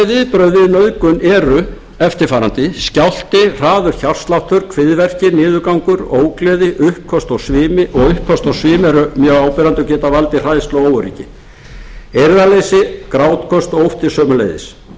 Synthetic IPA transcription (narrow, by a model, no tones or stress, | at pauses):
ɛðɪːðpɾœːɥðɪðnœðkʏnɛːɾʏ | ɛft̪ɪɾ̥faːɾant̪ɪscawl̥t̪ɪr̥aːðʏɾ̥çar̥st̪lawht̪ʏɾkʰvɪðvɛr̥cɪnɪːðʏkawŋkʏɾoːwklɛːðɪʔʏhpkʰɔst̪ɔɣsvɪːmɪʔɔɣʏhpkʰːɔst̪ɔwsvɪːmɛɾʏmjœːɣaːwpɛɾant̪ʏcɛːt̪avalt̪ɪr̥aðst̪lowoːwʏɾḭːcɪ̰ | eɾðalejsɪkɾawt̪kʰɔst̪ɔɣowft̪ɪsœːmʏlḛjðɪ̰s